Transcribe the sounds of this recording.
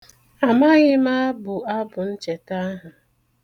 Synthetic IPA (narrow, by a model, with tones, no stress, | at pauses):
a˨ma˦ɣɪ˦ma˦bʊ˨a˦bʊ˨n̩˦t͡ʃe˨ta˦ɦa˨